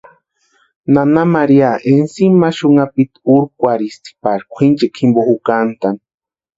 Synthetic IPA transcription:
nanamaɾiaʔensimaʃuŋapit̪uɾkʷaɾist̪i̥paɾkʷʰint͡ʃekʰimbohukant̪an

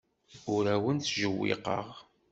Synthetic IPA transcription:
ʊɾæwənθʒəwːḭqə̰ʁ

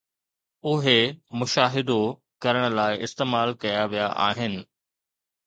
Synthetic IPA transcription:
ʊɦemʊʃaːɦɪd̪o | kɐɾəɽ̃ə̆laːɪʔɪst̪eːmaːlkɐjaʋijaʔa̰ːɦɪnɪ̆

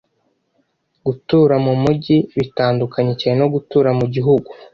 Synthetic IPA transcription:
ɡutuːɾamumuɟiβitaːndukaɲecaːɲeno̞ɡutuːɾamuɟiɦuɡu

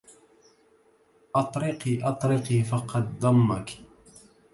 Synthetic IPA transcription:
ʔɑt̪ˤɾɪqiːʔɑt̪ˤɾɪqiːfɑqɑd̪ðˤɑmːak

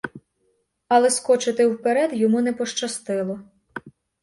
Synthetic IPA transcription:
ɐlˠɛskɔt͡ʃɪt̪ɪwpeɾɛd̪jɔmunɛpɔʃt͡ʃɐst̪ɪlˠɔ

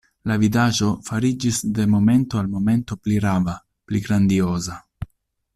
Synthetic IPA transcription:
lavidaʒo̞faɾid͡ʒisd̪e̞mo̞me̞nt̪oalmo̞me̞nt̪o̞pliɾava | pliɡɾand̪ioza

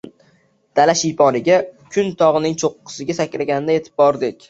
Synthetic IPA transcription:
d̪̥alaʃipʰɒɾɪɡʲakʲʰʊnt̪ʰɒʁɨnɪŋt͡ʃʰoqːɨ̥sɪɡʲasakʲlaɡʲanɪd̪aje̞t̪ʰɪ̥p̚bɒɾd̪ɪkʲ

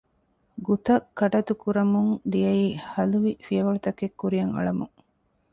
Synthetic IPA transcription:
ɡut̪ɐkːɐʈɐt̪ukuɾɐmuŋd̪ijɐiːhɐluʋifijɐʋɐɭut̪ɐkekːuɾijɐŋɐ̰ɭɐmuŋ

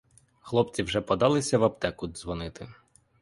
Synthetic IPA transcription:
xlˠɔp̚t͡sʲiwʒɛpɔd̪ɑlˠɪsʲɐʋɐpt̪ɛkud̪zʋɔnɪt̪ɪ̰

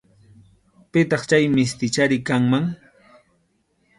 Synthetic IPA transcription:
pɪt̪ɑχt͡ʃajmɪst̪ɪt͡ʃaɾɪkaŋmaŋ

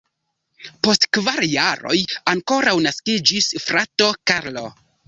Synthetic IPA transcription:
po̞stkvaɾjaɾo̞̰jaŋko̞ɾawnaskid͡ʒisfɾato̞kaɾlo̰

